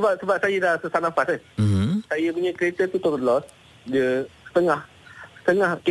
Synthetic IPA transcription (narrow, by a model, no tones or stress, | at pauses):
səbap̚səbap̚sajədasəsanaŋfasəsajəpuɲakəɾet̪ət̪ut̪ɔbəlɔs | dəsə̥t̪əŋah | sə̥t̪əŋahk